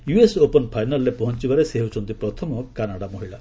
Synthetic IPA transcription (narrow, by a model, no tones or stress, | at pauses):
juesopɔnpʰajnalːepɔɦɔnt͡ʃibaɾeseɦut͡ʃʰɔnt̪ipɾɔt̪ʰɔmɔkanaɽamoɦiɭa